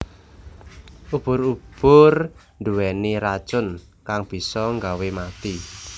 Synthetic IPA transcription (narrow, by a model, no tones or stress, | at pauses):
ʔub̥ʊɾub̥ʊr | nɖuwɛniɾḁt͡ʃʊn | kaŋb̥i̤sɔŋɡawemat̪i